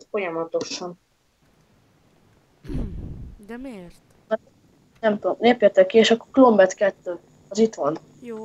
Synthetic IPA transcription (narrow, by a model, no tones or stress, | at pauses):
fo̞jɒmɒt̪o̞ʃɒn | nɛmt̪oomneːpjɛt̪ɛkːieːʃɒkːo̥klo̞mbɛt̪kɛt̪ːøː | ɒzit̪ʋɒn